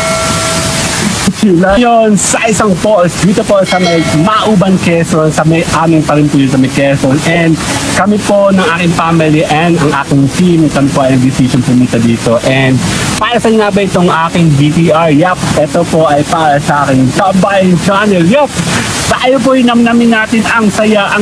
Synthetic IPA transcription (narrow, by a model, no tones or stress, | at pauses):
kulajonsɐʔɪsɐŋposd̪iːt̪opo̞sɐmɐjmɐʔɐʔuːbɐŋkɛsonsɐmɐjʔaːmɪŋpɐɾɪnpuːjʊns̬ɐmɐjkɛsonʔɛnd̪kɐmɪpo̞nɐŋʔaːkɪŋfaːmɪliʔɛnd̪ɐŋʔa̰ːkɪŋfimkɐmɪpoʔɐjʔɐŋd̪ɪsiːsonpʊmiːt̪ɐd̪iːt̪o̞ʔɛnd̪̚paːɾɐsɐnŋaːbɐʔɪt̪oŋʔaːkɪŋvipiːʔɐɹjapʔɛt̪opo̞ʔɐjpaːɾɐsɐʔaːkɪŋd͡ʒabɐjd͡ʒanɛjɛp | sɐʔɐjop̬ojnɐmnɐmɪnaːt̪ɪnɐŋsɐjaʔɐ